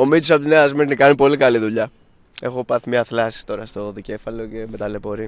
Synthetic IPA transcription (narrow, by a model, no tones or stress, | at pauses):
o̞mit̪isɐpot̪ineɐzmeɾnikɐnipo̞likɐliðuʎɐ | e̞xo̞pɐθimɲɐθlɐsi̥st̪o̞ɾɐst̪o̞ðice̞fɐlo̞ce̞met̪ɐlepo̞ɾi